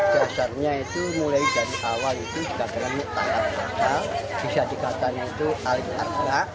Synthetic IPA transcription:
d̥asarɲait̪umulaid͡ʒaɾiʔawalit̪ud͡ʒuɡaʔk̪ənaŋɪʔt̪a̰kat̪̚ka̰talb̥isad̪̥ikat̪aɲait̪uʔalɪk̚ərɡɾaʔ

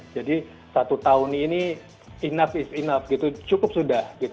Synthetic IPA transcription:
d͡ʒadi | sat̪ut̪aʊnini | inafɪsinafɡit̪ut͡ʃukʊp̚sudahɡit̪

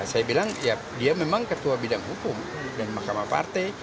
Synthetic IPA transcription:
sajabilaŋja | diamemaŋkət̪uabidaŋɦukʊm | danmahkamapa̰rt̪aj

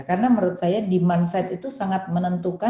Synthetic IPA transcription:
kaɾənaməɾut̪̚sajadimansat̪it̪usaŋat̪̚mənənt̪uka

